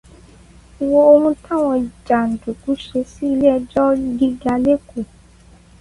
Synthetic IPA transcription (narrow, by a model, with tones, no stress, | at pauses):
i˨wo˧o˧hũ˧tã˦˨w̃ɔ̃˧˨d͡ʒa˨n̩˨du˨ku˨˦ʃe˧si˦i˧lɛ˦˧d͡ʒɔ˦ɡi˦ɡa˧le˦ko˨